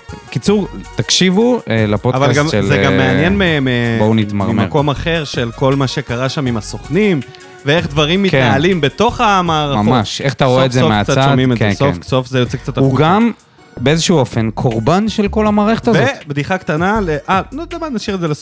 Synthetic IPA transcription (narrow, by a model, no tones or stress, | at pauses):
kit͡suʁt̪akʃivuelapoavallɡamelzeɡamːeanjenmemebounit̪maʁimmako̞maχe̞ʁʃe̞lko̞lmaʃe̞kaʁaʃamimaso̞χnim | veeχd̪vaʁimːikenaalimbe̞t̪o̞χamaːʁamamaʃʃeχat̪aʁsoezeofmekat͡saaʃomimekeesofso̞fzejot͡sek̚t͡sat̪uɡam | beezeʃuuofenkʰo̞ʁbanʃelko̞lamaːʁeχet̪azvebd̪iχakt̪analeʔalod̪amanaʃiʁezelas